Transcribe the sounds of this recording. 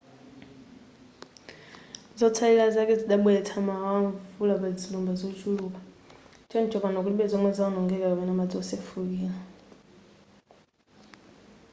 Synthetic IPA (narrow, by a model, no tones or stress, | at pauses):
zɔt͡sʰalilazakɛd͡ziɗaɓwɛlɛtʰamaawaɱfulaβad͡zilumbazɔt͡ʃʰuluka | t͡ʃʰɔnt͡ʃʰɔkanak̬uliɓɛzɔmwɛzaɔnɔŋɡɛkakamɛnamad͡zɔɔsɛfukiːla